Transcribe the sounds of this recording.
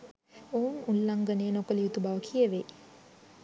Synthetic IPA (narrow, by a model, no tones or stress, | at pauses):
ounullaŋɡəneənokəlijut̪ubaʋəkʰijəʋe